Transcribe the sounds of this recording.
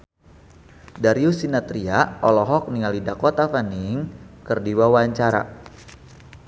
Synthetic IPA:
daɾiusinat̪ɾiaɔlɔɦɔk̚niŋalidakɔt̪afaniŋkərdiwawaɲt͡ʃaɾa̰

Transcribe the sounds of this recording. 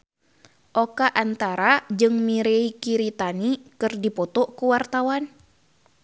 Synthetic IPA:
ʔɔkaʔant̪aɾad͡ʒɨŋmiɾeikiɾit̪anikɨrdipɔt̪ɔkuwart̪awan

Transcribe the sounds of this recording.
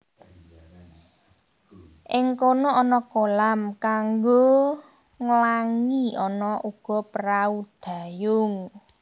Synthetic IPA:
ʔɪŋkonoʔɔnɔkolamkaŋɡo | ŋəlaŋiɔnɔʔuɡ̥ɔ̤pəɾaud̪̥a̤jʊŋ

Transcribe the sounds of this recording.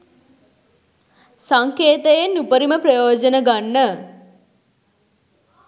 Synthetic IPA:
saŋkeːt̪əjenːupəɾiməprɐjoːd͡ʒənəɡanːə

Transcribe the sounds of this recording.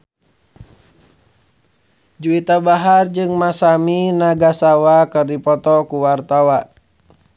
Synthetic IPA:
d͡ʒuit̪abaɦard͡ʒɨŋmasaminaɡasawakɨrdipɔt̪ɔkuwart̪awa

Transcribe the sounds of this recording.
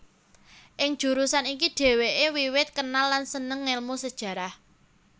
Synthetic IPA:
ʔɪŋd̥ʒ̥ṳɾusanikiɖ̥e̤weʔewiwɪt̪̚kənalːansənəŋːelmusəd̥ʒ̥ä̤ɾah

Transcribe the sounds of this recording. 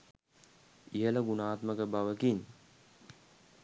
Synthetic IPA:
ijələɡunaːt̪məkəbaʋəkiɲ

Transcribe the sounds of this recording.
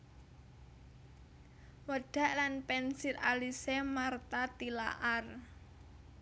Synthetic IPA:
wəɖ̥a̤ʔlanpɛnsɪralisɛmart̪at̪ila̰ʔar

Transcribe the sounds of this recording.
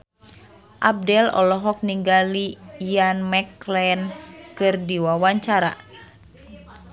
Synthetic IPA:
ʔab̚dɛlɔ̰lɔɦɔk̚niŋɡalijanmɛklɛnkɨrdiwawaɲt͡ʃaɾa

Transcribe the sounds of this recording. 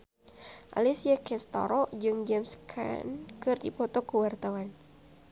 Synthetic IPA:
ʔa̰lisiakɛst̪ɔ̰ɾɔd͡ʒɨŋd͡ʒɛmskʰa̰nkɨrdipɔt̪ɔkuwart̪awan

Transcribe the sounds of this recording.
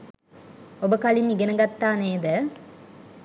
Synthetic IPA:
obəkalinːiɡenɐɡɐt̪ːaːneːd̪ə

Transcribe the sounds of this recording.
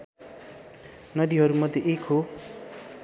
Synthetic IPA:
nʌd̪iɦʌɾumʌd̪ʱjeʔekʰɦo

